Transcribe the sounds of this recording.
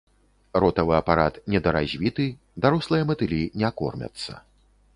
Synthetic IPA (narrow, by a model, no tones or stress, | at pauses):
ɾɔt̪ɐvɨɐpaɾat̪nʲɛd̪ɐɾazʲvʲit̪ɨ | d̪aɾɔslˠɨjɛmɐt̪ɨlʲinʲɛakɔ̰rmʲɐ̰t̪sːɐ̰